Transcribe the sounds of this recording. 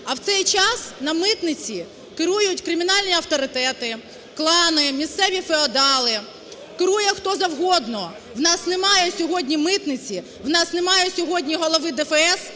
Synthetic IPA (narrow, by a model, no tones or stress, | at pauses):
ɐwt̪sɛjt͡ʃɑsnɐmɪt̪nɪt͡sʲi | kɪɾujʊtʲkɾɪmʲinɑlʲnʲiɐwt̪ɔɾɪt̪ɛt̪ɪ | klˠɑnɪmʲist̪sɛʋʲifeɔd̪ɑlˠɪ | kɪɾujɛxt̪ɔzɐwɦɔd̪nɔ | wnɑsnemɑjɛsʲɔɦɔdʲnʲimɪt̪nɪt͡sʲi | wnɑsnemɑjʊsʲɔɦɔdʲnʲiɦɔlˠɔʋɪd̪ɛfɛs